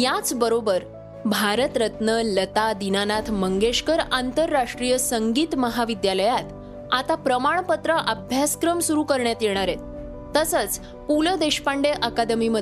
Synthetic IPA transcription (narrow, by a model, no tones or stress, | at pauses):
jat͡sbəɾobəɾ | bʱaɾət̪ɾət̪nələt̪ad̪inanat̪ʰməŋɡeɕkəɾant̪əɾːaʂʈɾijəsəŋɡiːt̪məɦaʋid̪jaləjat̪ | at̪apɾəmaɳ̃pət̪ɾəʔəbʱjaskɾəmsuɾuːkəɾɳjat̪jeɽ̃aɾet̪ | t̪ːəsət͡s | kuləd̪eɕpaɳɖeʔəkad̪əmimə